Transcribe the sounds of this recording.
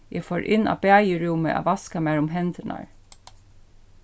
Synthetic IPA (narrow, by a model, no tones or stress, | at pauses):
jæfoːɹʔɪnɑ̰ːbæːjəɹʊmə̰ʔɑ̰ːʋɑskɑmæːɹʊmɦɛnd̪ənɑ̰ɹ